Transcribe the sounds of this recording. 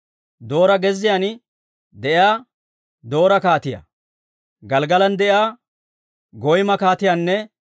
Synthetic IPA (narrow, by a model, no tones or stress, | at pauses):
d̪o̞ːɾɐɡɛzːɪjanɪ | d̪ɛjaː | d̪o̞ːɾɐkaːt̪ɪja̰ | ɡɐlɡɐlɐnd̪ɛʔjaː | ɡɔjmɐkaːt̪ɪjanːɛ